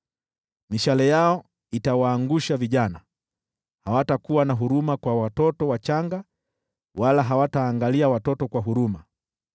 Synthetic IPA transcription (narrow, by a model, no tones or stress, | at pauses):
miʃalɛjaɔ | itawaːŋɡuʃaviʄana | hawatakuwanaɦuɾumakwawatɔtɔwat͡ʃaŋɡa | walaɦawataːŋɡaliawatɔtɔkwaɦuɾuma